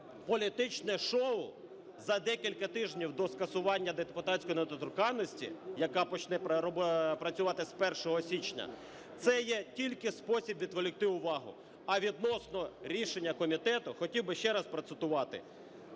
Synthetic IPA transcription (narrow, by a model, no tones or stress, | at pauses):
pɔlʲit̪ɪt͡ʃnɛʃɔʊ | zɐd̪ɛkʲilʲkɐt̪ɪʒnʲiwd̪ɔskɐsʊʋɑnʲːɐd̪ed̪epʊt̪ɑtʲsʲkɔjinɐt̪ɔt̪ʊrkɑnːɔsʲtʲḭjɐkɑpɔt͡ʃnɛɾɔbpɾɐt͡sʲʊʋɑt̪ɪspɛrʃɔɦɔsʲit͡ʃnʲɐ̰ | t̪sɛjɛtʲilʲkɪspɔsʲibʋʲid̪kɔlʲɪk̚t̪ɪʊʋɑɦʊ̰ | ɐʋʲid̪nɔsnɔɾʲiʃenʲːɐkɔmʲit̪ɛt̪ʊxɔtʲiwbɪʃt͡ʃɛɾɐspɾɔt̪sɪt̪ʊʋɑt̪ɪ̰